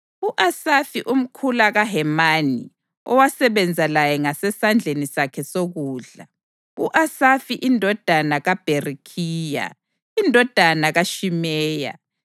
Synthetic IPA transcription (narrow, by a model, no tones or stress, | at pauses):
uʔasafiʔum̩kʰulaɣaɦɛmani | ɔ̰wasɛβɛnd͡zʱalajɛŋasɛsand͡ɮʱenisakʰɛsoɣuːɮa | uʔasafiʔindʱɔd̥ʱanaɣab̥ʱerikʰiːja̰ | indʱɔd̥ʱanaɣaʃimɛːja̰